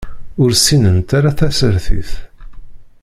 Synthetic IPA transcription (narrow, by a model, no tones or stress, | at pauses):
ʊɾsːinənt̪aɾaθæsəɾθḭθ